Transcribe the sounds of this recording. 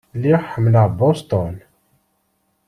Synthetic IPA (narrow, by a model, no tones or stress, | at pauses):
liħəmlabɔst̪ɔn